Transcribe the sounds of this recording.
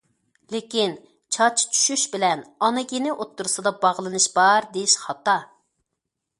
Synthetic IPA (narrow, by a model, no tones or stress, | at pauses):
lekʲin | t͡ʃʰɑt͡ʃʰt͡ʃʰy̥ʃyʃbɪlɛnɑnɨɡʲenɪʔot̪ːuɾɨsɨd̪ɑbɑʁlˠɨnɨʃb̥ɑɾd̪ejiʃχɑt̪ɑ